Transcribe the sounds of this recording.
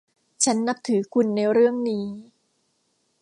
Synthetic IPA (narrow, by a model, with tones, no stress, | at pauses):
t͡ɕʰa˦˥nːa˦˥p̚t̪ʰɯː˩˦kʰu˧nːa˧jɾɯ˥˩əŋniː˦˥